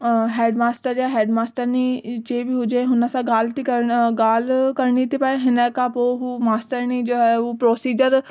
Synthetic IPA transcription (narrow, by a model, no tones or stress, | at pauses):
ɦɛːɖmaːsʈəɾjãːɦɛːɖmaːsʈəɾniːt͡ʃeːbiːɦuːd͡ʒeɦʊnasãːɡaːlt̪ikəɾɡaːlkəɾɳiːt̪ipaːeɦɪnɛ̃ːkapoɦuːmaːsʈəɾniːd͡ʒoːɦɛːoːpɾoːsiːd͡ʒəɾ